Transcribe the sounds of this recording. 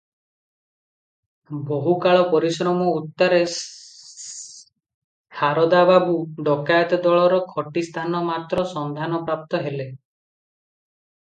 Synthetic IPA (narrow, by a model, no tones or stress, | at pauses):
boɦukaɭɔpɔɾisɾɔmɔut̪ːaɾe | haɾɔd̪ababuɖɔkajɔt̪ɔd̪ɔɭɔɾɔkʰɔʈist̪ʰanɔmat̪ɾɔsɔnd̪ʱanɔpɾap̚t̪ɔɦele